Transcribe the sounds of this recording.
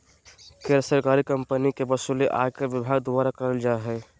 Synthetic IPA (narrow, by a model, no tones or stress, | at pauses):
ked̪ɾɾəsəɾkaɾikəmpənikebəsuleʔa̰keʋɪbʱaːɡd̪obaɾakəɾəld͡ʒaeɦɛ